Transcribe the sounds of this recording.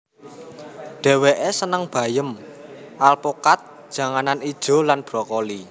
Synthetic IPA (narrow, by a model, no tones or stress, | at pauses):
ɖ̥ɛ̤weʔesənəŋb̥ä̤jəmʔalpokat̪̚d̥ʒ̥ä̤ŋananid̥ʒ̥ɔ̤lanb̥ɾɔkoli